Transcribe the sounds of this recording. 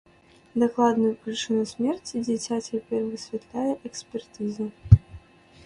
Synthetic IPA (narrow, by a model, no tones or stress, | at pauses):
d̪ɐklˠad̪nʊjupɾʲit͡ʂɨnusʲmʲɛrt͡sʲid͡zʲɛt͡sʲat͡sʲɛpʲɛrʲvɨsʲvʲɛt̪lʲajɛʔɛksʲpʲɛrt̪ɨzɨ